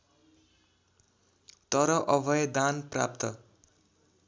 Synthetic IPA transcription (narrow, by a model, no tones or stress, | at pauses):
t̪ʌɾʌʔʌbʱʌjd̪anpra̰p̚t̪ʌ